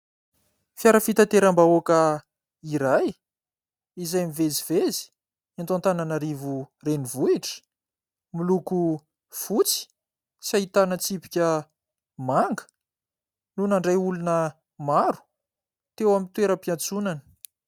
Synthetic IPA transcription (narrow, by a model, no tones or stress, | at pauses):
fjaɾəfit̪at̪eɾambaokə | iɾaj | izajmivezivezi̥ | ant̪ant̪ananaɾivurenivuiʈ͡ʂə̥ | miluku | fut͡si̥ | sait̪anət͡sipi̥kʲə | maŋɡə̥ | nunaɳɖ͡ʐajulunə | maɾu̥ | t̪ewamint̪weɾəpiant͡sunanə̥